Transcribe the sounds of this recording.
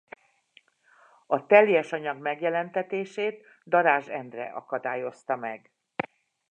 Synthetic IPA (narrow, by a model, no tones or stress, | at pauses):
ɒt̪ɛljɛʃɒɲɒɡmɛɡjɛlɛnt̪ɛt̪eːʃeːt̪ | d̪ɒɾaːʒɛnd̪rɛ̰ʔɒ̰kɒd̪aːjo̞st̪ɒmɛɡ